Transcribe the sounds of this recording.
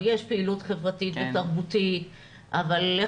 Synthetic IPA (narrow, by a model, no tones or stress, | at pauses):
jeʃpeilutχevʁat̪it̪bet̪aʁbutit | ʔavale